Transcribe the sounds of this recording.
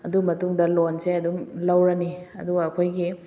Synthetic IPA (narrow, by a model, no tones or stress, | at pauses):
ɐdumɐtuŋdɐlonseɐdumlɐwɾɐniɐ̰duɡɐːkʰojɡi